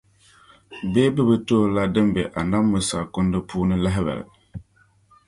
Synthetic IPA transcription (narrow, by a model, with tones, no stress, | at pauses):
beː˦bɨ˦bɨ˦toː˦˨˦la˦dɨ˦mbɛ˨ʔa˨na˦mːʊ˨sa˨kʊ˦ndɨ˦pʰuː˦nɨ˦la˦ɦɪ˦bɛ̰˨lɨ̰˨